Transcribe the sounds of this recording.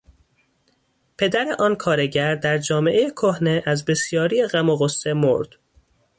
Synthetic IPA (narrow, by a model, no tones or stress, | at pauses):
pʰe̞d̪æɾeʔɒːnkʰɒːɾe̞ɟæɾd̪æɾd͡ʒɒːme̞ʔejekʰohne̞ʔæzbe̞sjɒːɾijeɣæmoɣosːe̞mo̰ɾd̪̥